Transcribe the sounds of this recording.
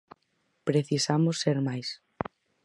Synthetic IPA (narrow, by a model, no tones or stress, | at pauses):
pɾeθisamʊsːeɾmajs